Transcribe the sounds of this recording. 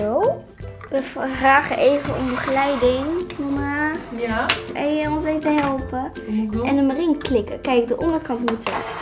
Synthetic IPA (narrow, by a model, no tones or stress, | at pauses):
ow | ʋəffraːχəʔejvəɔ̰mbəχlɛjdɪŋnoma | ɛjəɔnseːvəɦɛlˠpə | ɛnəmarɪŋklɪkəkɛjkdəʔɔndəkɑntmutə̰